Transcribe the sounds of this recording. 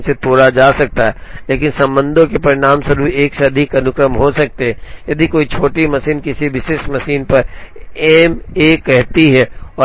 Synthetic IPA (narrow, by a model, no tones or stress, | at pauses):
set̪oːɽad͡ʒaːsɐk̚t̪aɦɛːleːkɪnsɐ̃mbə̃nd̪ʱõkepɐɾɪnaːmsɐɾueːkseɐd̪ʱikɐnʊkɾəmɦosɐk̚t̪eɦɛ̃jɐd̪ʱikoːit͡ʃʰoːʈimɐsiːnkɪsiʋɪʃeːʃmɐsiːnpɐɾeːmeːkɛɦt̪iɦɛːɔː